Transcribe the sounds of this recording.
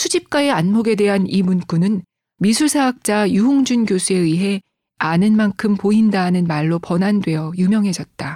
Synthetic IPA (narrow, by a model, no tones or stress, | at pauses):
sʰud͡ʑip̚k͈aeanmoɡe̞dwe̞ɦanimunk͈unɯn | misʰuɭsʰaak̚t͡ɕ͈ajuɦoŋd͡ʑunɡjosʰue̞iɦe̞ | anɯnmankʰɯmpoindanɯnmaɭːopʌnandwe̞jʌjumjʌŋɦe̞d͡ʑʌt̚t͈a